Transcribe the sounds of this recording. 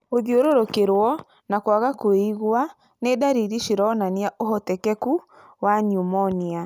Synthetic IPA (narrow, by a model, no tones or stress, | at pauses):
oðioɾoɾokeɾwɔ | nakwaɣakoiɣwa | nedaɾiɾiʃiɾɔnaniaʔoɦɔtɛkɛku | waɲumɔnia